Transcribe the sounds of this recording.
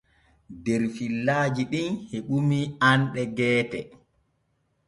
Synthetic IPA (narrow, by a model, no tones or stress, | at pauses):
dɛɾfilːaːd͡ʒiɗinheɓumianɗɛɡɛːtɛ